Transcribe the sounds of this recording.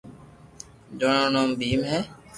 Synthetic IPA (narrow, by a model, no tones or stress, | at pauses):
d͡ʒoɳõːnoːmbiːmɦɛː